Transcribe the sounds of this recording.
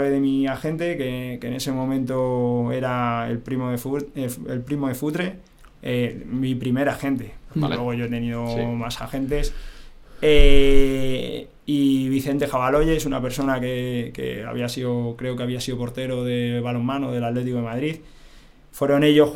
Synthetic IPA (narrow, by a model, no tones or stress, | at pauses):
βeðe̞miaxe̞nt̪e̞ke̞ke̞ne̞se̞mõ̞mẽnt̪o̞e̞ɾaḛlpɾimoðefueḛlpɾimoðe̞fut̪ɾe̞ | emipɾime̞ɾaxe̞nt̪e̞oa̰lweɣoʝoe̞t̪e̞niðomasa̰xe̞nt̪e̞s | e | iβ̞iθe̞nt̪e̞xaβalo̞ʝe̞sunape̞ɾso̞nakekḛa̰βiasiðokɾe̞o̞keaβ̞iasiðopo̞ɾt̪e̞ɾo̞ðe̞βalo̞mːãnoðe̞lat̪le̞t̪ikoemaðɾið | fwe̞ɾo̞ne̞ʝo̞